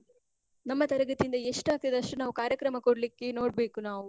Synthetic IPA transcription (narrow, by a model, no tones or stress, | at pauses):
nɐmːɐt̪ɐɾɐɡɐt̪iind̪ɐeʂʈaːk̚t̪ɐd̪ɐʂʈunaːʋukaːɾjɐkɾɐmɐkoɽɐlikːe̞no̞ːɽbe̞ːkunaːʋu